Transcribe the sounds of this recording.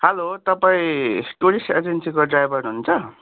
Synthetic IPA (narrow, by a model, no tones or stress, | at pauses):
hʌlot̪ʌpaĩʈuɽised͡zensikoɖrajbʱʌrnuɦunt͡sʰʌ